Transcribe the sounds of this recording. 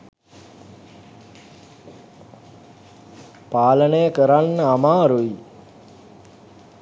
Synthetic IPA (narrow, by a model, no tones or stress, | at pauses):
paːlənəjəkəɾanːəamaːɾuji